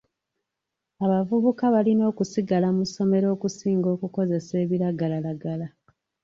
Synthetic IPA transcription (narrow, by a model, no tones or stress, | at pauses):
aβavuβukaβalino̞ːkusiɡalamuso̞me̞ɾo̞ːkusiːŋɡo̞ːkuko̞ze̞se̞ːβiɾaɡalalaɡala